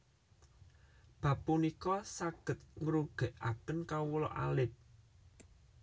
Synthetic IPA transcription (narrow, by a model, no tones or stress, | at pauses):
b̥ä̤pːunikɔsaɡ̥ə̤t̪̚ŋɾuɡ̥ɛ̤ʔakənkawulɔ̰ʔa̰lɪp̚